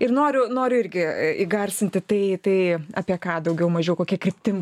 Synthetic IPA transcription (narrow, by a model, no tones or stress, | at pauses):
ɪrnoːɾʲʊnoːɾʲʊɪrʲɡʲɪiɡɐrʲsʲɪnʲt̪ʲɪt̪ɐɪt̪ɐɪɐ̰ːpʲiɛkɑːd̪ɐʊɡʲɛʊmɐʒʲɛjɛʊkoːkʲiɛkɾʲɪp̚ʲt̪ʲɪm